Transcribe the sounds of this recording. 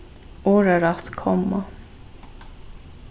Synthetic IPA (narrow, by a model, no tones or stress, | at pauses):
oːɾəɾat̪kʰɔmːa